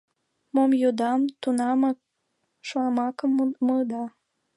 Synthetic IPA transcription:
momjod̪ɑmt̪unɑmɑ | ʃmɑkəmməd̪ɑ

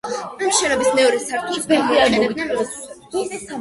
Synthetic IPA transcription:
mʃɛnɔbismɛɔɾɛsaɾt̪ʰʼubɛliaɾmɔ

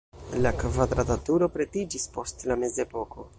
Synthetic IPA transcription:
lakvad̪ɾatatuɾo̞pɾe̞tid͡ʒispo̞stlame̞ze̞po̞ko̞

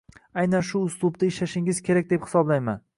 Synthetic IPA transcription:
ajnanʃʊʊslˠʊbd̪aɪʃlaʃɪŋɪz̥kʲʰe̞ɾak̚ʲd̪e̞phɪ̥sɒblajma̰n

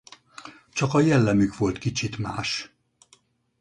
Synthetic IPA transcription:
t͡ʃɒkɒjɛlːɛmykʋo̞lt̪kit͡ʃit̪maːʃ

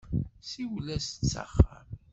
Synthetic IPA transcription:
siwlæst͡sːa̰χːə̰m

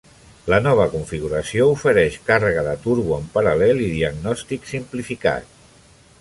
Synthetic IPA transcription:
lənɔβ̞əkuɱfiɣuɾəsioufəɾɛʃkarəɣəðət̪uɾβuəmpəɾəlɛliðiəɡnɔst̪iksimplifika̰t̪̚

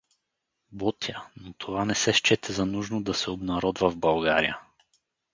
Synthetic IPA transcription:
bɔt̪ənot̪ʰovanɛsɛʃt͡ʃɛt̪ʰɛzɐnuʒnod̪ɐsɛobnɐɾɔd̪vɐvbɐlˠɡaɾḭjə̰

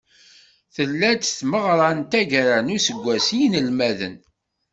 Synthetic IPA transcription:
θəlːæt͡sθməʁɾˤɑnt̪æʝɾænʊsəɡʷːæsinəlmæðə̰n

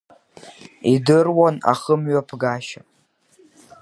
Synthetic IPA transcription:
idɨrwona̰χəmɥapʰɡaʃa

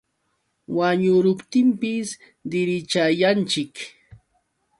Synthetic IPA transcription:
waɲʊɾʊpt̪ɪmpɪs | d̪ɪɾɪt͡ʃajant͡ʃɪk

